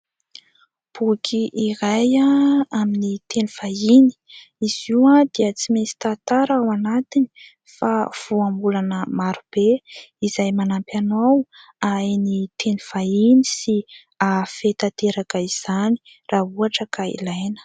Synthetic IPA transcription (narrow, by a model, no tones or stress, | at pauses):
b̥ukʰiʔiɾajaaminit̪ʰeniv̥aini̥iz̥iwad̪eət͡simet͡si̥t̪at̪aɾawanat̪ini̥ | fav̥uambulanəmaɾub̥eizajmanampjanawajnit̪ʰeniv̥ainisi | afet̪at̪eɾakəiz̥ani̥ | raɦuaʈ͡ʂəkaḭlajnə̥